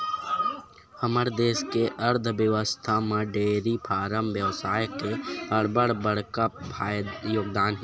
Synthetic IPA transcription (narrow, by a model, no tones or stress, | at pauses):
əməɾd̪eːskeʔəɾd̪ʱʋjəʋəst̪ʰamə̃ɖeːɾipʰaːɾəmʋjəʋsaːjkebəɽbəɽbəɽkapʰaːjd̪joːɡd̪aːnɦ